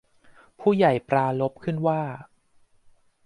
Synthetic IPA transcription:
pʰuː˥˩ja˨˩jpɾaː˧lo˦˥p̚kʰɯ˥˩nwaː˥˩

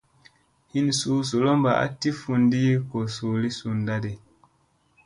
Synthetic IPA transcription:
hi˦nsuː˨˦s̬u˨lo˦mba˨ʔa̰˦ti˦fu˧ndi˦ko˨suː˨li˦su˨nda˦de˨

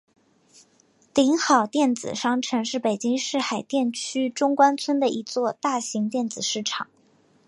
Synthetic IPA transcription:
li˧˥ŋxɑ˨˩ʊt̪jɛ˥˩nt͡sɹ̩˨˩ʂɑ˥ŋʈ͡ʂʰɤ˧˥ŋʂɻ̩˥˩pe˨˩ɪt͡ɕi˥ŋʂɻ̩˥˩xa˨˩ɪt̪jɛ˥˩nt͡ɕʰy˥ʈ͡ʂʊ˥ŋkwa˥nt͡sʰwə˥nd̪ə˨ʔi˧˥t͡swɔ˥˧t̪a˥˩ɕi˧˥ŋt̪jɛ˥˩nt͡sɹ̩˨˩ʂɻ̩˥˩ʈ͡ʂʰɑ˨˩˦ŋ

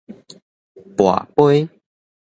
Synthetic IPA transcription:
pwa̰˨˩pwe˦j

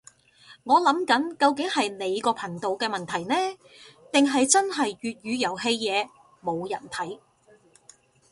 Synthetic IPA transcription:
ŋɔː˨˧lɐ˨˥mkɐ˨˥nkɐ˧wkɪ˨˥ŋhɐ˨jne˨˧jkɔː˧pʰɐ˨˩ŋt̪o˨wkɛː˧mɐ˨nt̪ʰɐ˨˩jnɛː˥ | t̪ɪ˨ŋɦɐ˨jt͡sɐ˥nɦɐ˨jɥyː˨t̚ɥyː˨˧jɐ˨˩whe˧jjɛː˨˧ | mo˨˧wjɐ˨˩nt̪ʰɐ˨˥j

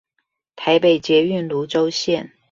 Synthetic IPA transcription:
t̪ʰa˧˥ɪpe˨˩ɪt͡ɕjɛ˧˥y˥˩nlu˧˥ʈ͡ʂo˥ʊɕjɛ˥˨n

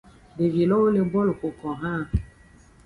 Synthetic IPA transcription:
de˨vi˨lɔ˦ne˦ɡ͡bɔ˦lʊ˨kʊ˨kɔ˨ɦa˦˨

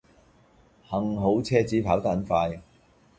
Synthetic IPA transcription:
hɐ˨ŋɦo˨˥wt͡sʰɛː˥t͡siː˨˥pʰaː˨˥wt̪a˥nfaː˧j

